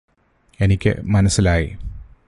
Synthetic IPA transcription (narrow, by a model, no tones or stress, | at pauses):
e̞nikʲːɨ̰mɐnɐsilaːjḭ